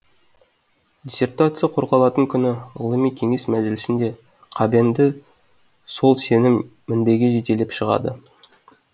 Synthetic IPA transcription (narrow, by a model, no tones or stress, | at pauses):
d̪ʲesʲe̞rt̪at̪sɨjɑqʰoɾʁɑlˠɑt̪əŋkʲʰʏnɪə̰lˠimijkʲʰe̞ŋe̞smæzɪlɪsɪnd̪e̞ | qʰɑbend̪ɪ | so̞lˠse̞nɪmː | ɪnbe̞ɡʲe̞ʒet̪e̞lepʃəʁɑ̰d̪ə̰